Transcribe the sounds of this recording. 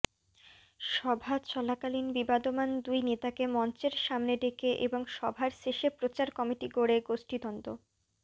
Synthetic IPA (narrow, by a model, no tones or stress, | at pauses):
ʃɔbʱat͡ɕɔlakalinbibad̪omand̪ujnet̪akemɔnt͡ɕeɾʃamned̪ekeʔḛboŋʃɔbʱaɾʃeʃepɾot͡ɕaɾkɔmiʈiɡoɽeɡoʃʈid̪ɔnd̪o